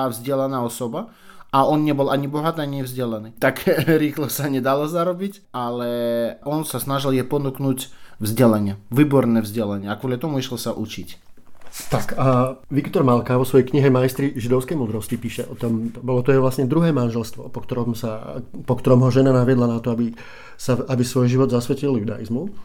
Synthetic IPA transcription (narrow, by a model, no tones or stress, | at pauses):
avzɟɪɛlanaːɔsɔba | aɔnɲɛbɔlaɲibɔɦat̪iːaɲɲɛvzɟɛlaniːt̪akɾiːxlɔsaɲɛd̪alɔzaɾɔbic | alɛɔnsasnaʒiljɛpɔnuknuːcvzɟɛlaɲɪɛʋiːbɔɾnɛːvzɟɛlaɲɪɛakʋɔlʲat̪ɔmuiʃlsaʔṵt͡ʃḭc | t̪akaʋikt̪ɔɾmalkaʋɔsʋɔjɛjkɲiɦɛmajst̪ɾiʒid̪ɔʊskɛjmuːd̪ɾɔscipiːʃɛʔɔt̪ɔmbɔlɔt̪ɔjɛʋlasɲɛd̪ɾuɦɛːmanʒɛlst̪ʋɔ̰pɔkt̪ɔɾɔmsapɔkt̪ɔɾɔmɦɔʒɛnanaʋɪɛd̪lanat̪ɔabi | saabisʋɔjʒiʋɔd̪zasʋɛciljud̪a̰jḭzmu